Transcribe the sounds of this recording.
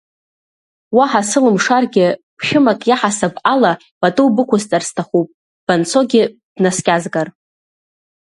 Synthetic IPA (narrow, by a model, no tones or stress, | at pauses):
waħasɨlɨmʂarɡʲɪbʃᶣɪmakʼjaħasabala | b̥atʼɨwbɨkʷʰʊzt͡sʼarstʰaχupʼ | b̥ant͡sʰo̞ɡʲɪ | b̥naskʲʼazɡar